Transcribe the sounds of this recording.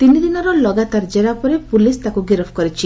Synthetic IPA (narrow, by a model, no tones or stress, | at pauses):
t̪inid̪inɔɾɔlɔɡat̪aɾd͡ʒeɾapɔɾepulist̪akuɡiɾɔpʰkɔɾit͡ʃʰi